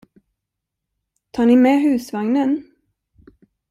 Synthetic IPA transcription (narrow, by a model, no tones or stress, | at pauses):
t̪ʰɑːɳɪmɛːɦʉ̟ːsvaŋnən